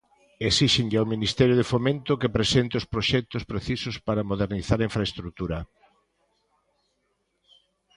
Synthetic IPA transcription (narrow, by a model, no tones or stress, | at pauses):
esiʃeŋʎawminist̪ɛɾjʊðefomẽnt̪ʊkɪpɾesent̪eospɾoʃɛk̚t̪ʊspɾeθisʊspaɾamoðeɾniθaɾɐiɱfɾaest̪ɾut̪uɾɐ